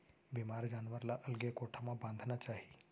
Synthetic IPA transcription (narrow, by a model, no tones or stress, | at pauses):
bimaɾd͡ʑanʋəɾlaʔəlɡekoʈʰamabãnd̪ʱnat͡ɕaɦi